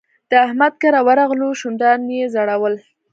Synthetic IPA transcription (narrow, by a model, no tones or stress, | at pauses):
d̪̥əahmad̪̚kaɾawaɾɑɣluʃund̪ɑnjezaɽawəl